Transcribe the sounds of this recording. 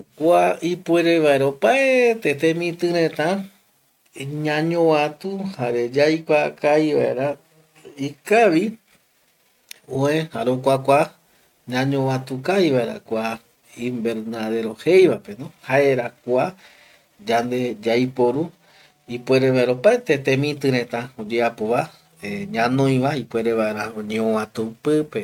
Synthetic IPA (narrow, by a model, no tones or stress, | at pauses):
kʷaipweɾeβaeɾopaet̪et̪ẽmĩt̪ɨ̃ɾẽt̪ã | ɲãɲõwat̪uhaɾed͡ʒajkʷakaiβa̰ḛɾa | ikaʋi | oẽhaɾokʷakʷa | ɲãɲõwat̪ukaiβaeɾa̰kʷa | ĩmbe̞ɾnaðe̞ɾo̞he̞jʋape̞nõhaeɾakʷa | d͡ʒand̪e̞d͡ʒajpoɾu | ipwe̞ɾeβaeɾaopaet̪et̪ẽmĩt̪ɨɾẽ̞t̪ãod͡ʒeapoβa | eɲãnõj̃ʋaipwe̞ɾe̞βaʔe̞ɾaoɲeowãt̪ũpɨpe